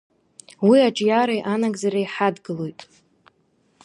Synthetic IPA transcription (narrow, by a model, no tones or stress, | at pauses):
wiaʈ͡ʂʼjaɾajʔanaɡzaɾajħadɡɨlo̞jtʼ